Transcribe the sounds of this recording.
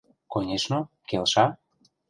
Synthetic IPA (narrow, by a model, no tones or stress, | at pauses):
konʲeʃno | kelʃa